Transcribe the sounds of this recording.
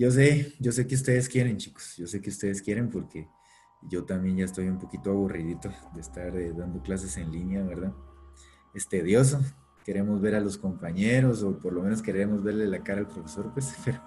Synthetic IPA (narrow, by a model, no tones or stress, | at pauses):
ɟ͡ʝo̞s̬e̞ɟ͡ʝo̞s̬e̞keust̪e̞ðeskje̞ɾe̞nt͡ʃiko̥sʝo̞se̞keu̥st̪e̞ðeskje̞ɾe̞mpo̞ɾke̞ | ʝo̞t̪ambje̞nʝaest̪o̞jumpo̞kit̪oaβurið̞it̪o̞d̪est̪aɾðand̪o̞klas̬e̞se̞nlinjaβe̞ɾðað | est̪e̞ðjo̞s̬o̞ | ke̞ɾe̞mo̞zβe̞ɾalo̞sko̞mpaɲeɾo̞s̬o̞po̞ɾlo̞me̞no̞skeɾeɾe̞mo̞zβe̞ɾle̞lakaɾaːlpɾo̞fe̞so̞ɾpwespeɾo